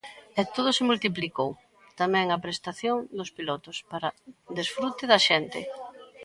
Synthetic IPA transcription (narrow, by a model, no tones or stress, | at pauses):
ɛt̪oð̞ʊsɪmult̪iplikow | t̪amɛŋɐpɾest̪aθjoŋd̪ʊspilɔt̪ʊspaɾɐd̪esfɾut̪ɪðɐʃɛnt̪ɪ̰